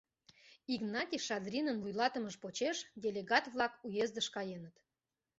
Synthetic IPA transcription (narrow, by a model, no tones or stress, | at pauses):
iɡnɑt̪ʲiʃɑd̪rʲinənvujlɑt̪əməʃpot͡ɕeʃdʲelʲeɣɑt̪βlˠɑkujezd̪əʃkɑjenət̪